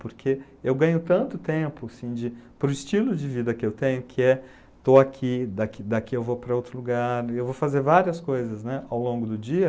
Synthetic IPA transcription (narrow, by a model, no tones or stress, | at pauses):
poɾkʰe | ewɡɐ̃ɲʊt̪ɐ̃nt̪ʊt̪ẽpʊasĩd͡ʒɪpɾʊɪst͡ʃilʊd͡ʒɪvid̪ɐkɪewt̪ẽɲʊkʰɪɛ | t̪oakʰid̪akid̪akiewvopɾɐowt̪ɾʊluɡaɾewvofazeɾvaɾiɐskojzɐznɛawlõŋɡʊd̪ʊd͡ʒiɐ